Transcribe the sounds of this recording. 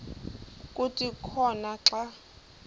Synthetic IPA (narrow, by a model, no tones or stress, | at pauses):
kʼutʼikʰɔnaǁa